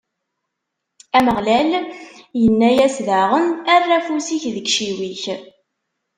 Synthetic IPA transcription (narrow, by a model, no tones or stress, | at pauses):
æməʁlæljənːæjæsðæʁənærːæfusiçðəɡʃiwiç